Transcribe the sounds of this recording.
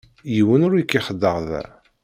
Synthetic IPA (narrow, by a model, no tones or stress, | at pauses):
jiwənʊɾjikːiχəd̪ːəʁðæ̰